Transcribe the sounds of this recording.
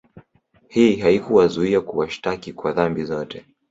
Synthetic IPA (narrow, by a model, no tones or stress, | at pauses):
hiɦaikuwazuiakuwaʃtakikwaðambizɔtʰɛ